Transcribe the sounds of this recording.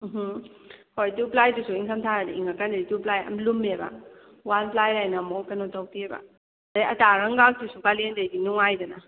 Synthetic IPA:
mɦ̩ | hojtuplajdusuiŋkʰɐmtʰaɾadiiŋɐkandɐituplajɐ̰mlumebɐ̰ | wanplajɾajnamowkɐnotɐwpiebɐ̰ | dajɐtaɾɐŋɡak̚dusubalendɐjɡinuŋajdɐnɐ

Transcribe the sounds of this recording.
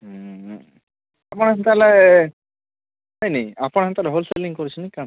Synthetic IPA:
apɔnnt̪alɛ | ɔjnejapɔnɦnt̪alɛɦolselĩŋkoɾit͡ɕʰinika

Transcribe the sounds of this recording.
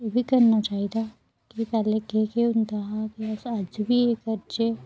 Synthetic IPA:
jebʱikəɾnat͡ʃaːɦid̪a | kipɛːlekekeunt̪aɦakiəsad͡ʒbʱiekəɾt͡ʃe

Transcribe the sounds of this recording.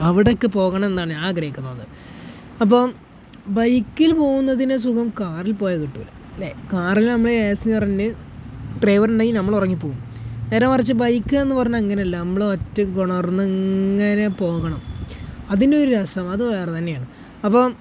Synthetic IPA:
ɐʋiɽokːɨpo̞ːɣɐɳɐme̞nd̪aːɳɨaːɡrɐjikːɐnoːnːɨ | ɐp̬ːo̞ː | bɐjkːilpo̞ːɣunːɐðines̬ukɐmkaːrilpo̞ːjɐkiʈːulː | lekaːrilnɐmːɐɭeeːsiɲɐrɐndɨ | ʈrejʋɐruɳɖaːinɐmːɐɭurɐŋːipːo̞ːɣumneːɾaːmɐrɐt͡ɕːɨbɐjkːɨe̞nːɨpɐrɐɲːaɐŋːɐneɐlːɐnɐmːɐɭeotːɐmkoɳɐrnːɨŋːɐne̞po̞ːɣɐɳɐmɐðindeo̞ɾuɾɐsɐmɐðɨʋeːrt̪ɐnːejaːɳɨ | ɐpːo̞ː

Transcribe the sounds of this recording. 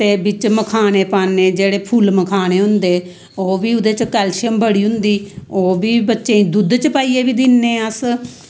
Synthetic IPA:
t̪eːbɪt͡ʃməkʰaːneːpaːnːeːd͡ʒeːɽeːpʰuːlməkʰaːneːɦʊ̃nd̪eː | oːʋiːʊd̪eːt͡ʃkɛːlʃəmbəɽiːɦʊ̃nd̪iːoːbiːbətːʃẽːĩːd̪ʊd̪t͡ʃəpaːiːeːbiːd̪ɪnːeːəs

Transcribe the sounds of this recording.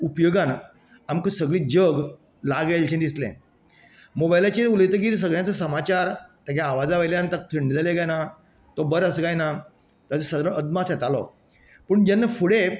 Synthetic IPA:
upjoɡãn | amkəsəɡɭiːd͡ʑəɡ | laɡalt͡ɕʰẽnd̪islɛ̰̃ | mobajlat͡ɕeɾuləjt̪ək̬iːɾis̬əɡɭjat͡səsəmat͡ɕaɾt̪aɡjãːʋad͡zaʋəjljant̪ak̚t̪ʰəɳɖd͡zaleɡajna | t̪ɔbəɾəsɡajna | t̪at͡səsəd̪ɾəʔəd̪maset̪alɔ̰ | pəːɳd͡ʑanːəfuɽe

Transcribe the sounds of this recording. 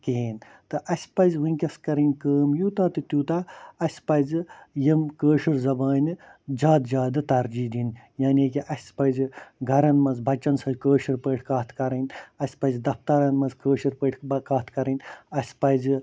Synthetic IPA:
keːn | t̪ɨʔɐsʲpɐzʋɨnʲkʲɐskɐɾɐnʲkəːmjuːt̪aːt̪ɨt̪juːt̪aɐsʲpɐzɨjɐmkəːʃɐɾzɐbaːnɨd͡ʒaːd̪d͡ʒaːd̪ɨt̪ɐɾd͡ʒiːd̪in | jaːnʲekiʔɐsʲpɐzɡʱɐɾɐnmɐnzbʱɐt͡ʃːɐnsɐlkəːʃiɾpəːʈʰkaːt̪ʰkɐɾɐnʲɐsʲpɐzd̪ɐft̪ɐɾɐnmɐnzkəːʃɐɾpəʈʰkaːt̪ʰkɐɾɐnʲɐsʲpɐz

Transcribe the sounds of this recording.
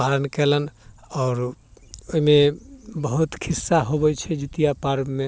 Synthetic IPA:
aɾənkɛlənɔːɾoimebəɦut̪kʰisːaɦobɛjt͡ʃʰɛd͡ʒit̪ijapaɾbme

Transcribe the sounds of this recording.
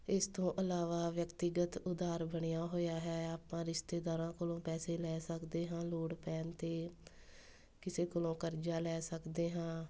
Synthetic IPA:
ɪst̪õːʔəlaːʋaːʋjəkt̪ɪɡət̪ʊd̪aːɾbəɳɪjaːɦoːjaːɦɛːaːpãːɾɪʃt̪eːd̪aːɾãːkolõːpɛːseːlɛːsəkd̪eːɦãːloːɽpɛːnt̪eː | kɪseːkʊlõːkəɾd͡ʒaːlɛːsəkd̪eːɦãː

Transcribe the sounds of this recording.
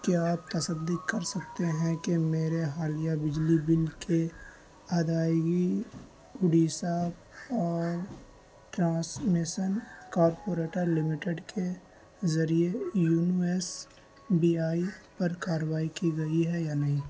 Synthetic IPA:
keaːp̚t̪ɐsəd̪ikɐɾsɐkt̪eɦɛ̃kemeːɾeɦaːlijabɪd͡ʒlibɪlke | ɐd̪aːjɡi | ʊɖisabɔːɾ | ʈɾãːsmɪʃənkaːɾpoːɾeːʈəɾlɪmɪʈeɖkʰe | zɐɾiejuːnes | biːaːipɐɾkaːɾəʋaːikiɡɐiɦɛjaːnɐɦĩː

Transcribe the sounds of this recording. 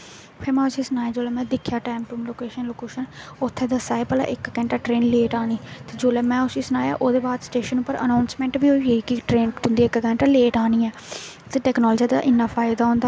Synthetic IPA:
pʰɪɾmɛ̃ːʊsiːsənaːjaːd͡ʒoːlɛːmɛ̃ːd̪ɪkʰːjaːʈɛːmʈuːmloːkeːʃənloːkeːʃənʊt̪ʰːẽːd̪əsaːepəla̰ʔɪkkɛ̃ːɳʈaːʈɾeːnleːʈaːniːt̪eːd͡ʒoːlɛːmɛ̃ːʊsiːsənaːja̰ːʔoːd̪eːbaːd̪sʈeːʃənuːpːəɾə̰naːʊnsmɛ̃ːɳʈbiːoːeːkiʈɾeːnt̪ʊnd̪iːɪkkɛ̃ːɳʈaleːʈaːniːɛː | t̪eːʈɛːknɔːld͡ʒiːd̪a̰ːʔɪnːaːpʰaːɪd̪aːɦõːnd̪aː

